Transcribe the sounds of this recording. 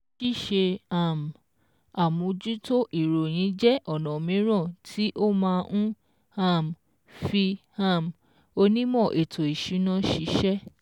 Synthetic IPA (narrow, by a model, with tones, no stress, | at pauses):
ʃi˦˨ʃe˧a˦˨m˨ | a˨mũ˧d͡ʒu˦to˦ʔi˦˨ɾo˨j̃ĩ˨˦d͡ʒɛ˦ʔɔ˦˨nã˨mĩ˨˦ɾ̃ã˦˨tʰi˦ʔo˦mãː˧ʔũ˦ | a˦˨m˨ | fi˧ha˦˨m˨ | o˧nĩ˦mɔ̃˦˨ʔe˨tʰo˨i˨ʃu˨˦nã˦ʃi˧ʃɛ˦